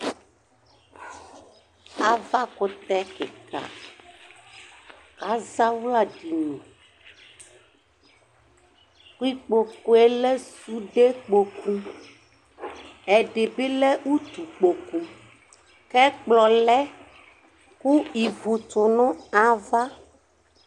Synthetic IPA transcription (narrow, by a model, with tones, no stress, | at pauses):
a˨va˦kʊ˦t̪ɛ˦kḛ˨ka̰˨ | ka˨˦za˦wla˦ɖi˨nũ˨ | xu˦i˦k͡po˨ko˦e˦lɛ˦su˦ɖe˦k͡po˨kũ˦ | ɛ˨ɖe˨be˦lɛ˦wu˦t̪u˨k͡po˨kũ˦ | kɛ˦k͡plɔ˨lɛ˦ | ku˦i˨vu˨t̪ʊ˨nɔ̃˦a˨va˦